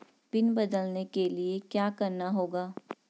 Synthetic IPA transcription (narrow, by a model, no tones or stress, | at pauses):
pɪnbɐd̪əlnekeliekjaːkɐɾnaɦoːɡaː